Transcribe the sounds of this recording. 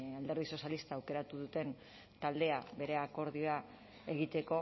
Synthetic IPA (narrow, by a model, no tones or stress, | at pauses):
ald̪e̞ɾð̞iso̞sjalist̪aːwke̞ɾat̪uðut̪e̞n | t̪ald̪e̞aβe̞ɾe̞ako̞ɾðioa | e̞ɣit̪e̞ko̞